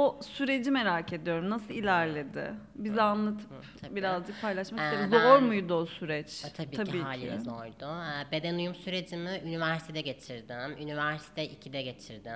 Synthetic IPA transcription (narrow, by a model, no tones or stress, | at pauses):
osyɾe̞d͡ʒime̞ɾaːcʰe̞d̪ijo̞ɾumnasɯlˠilʲæɾlʲe̞d̪ɪ̰ | bizɛanlˠat̪ʰɯ̥p | biɾazd͡ʒɯk̚pʰajlˠaʃmakiebizoɾmujd̪uosyɾɛt͡ʃ̪ʰatbiːabiːaːlʲɪ̰zoɾd̪ʊbe̞d̪enujumsyɾe̞d͡ʒimiynivæɾsi̥t̪ʰed̪ɛɟe̞t͡ʃʰiɾd̪ɪmynivæɾsi̥t̪ʰɛʔicʰid̪ɛɟe̞t͡ʃʰiɾd̪ɪ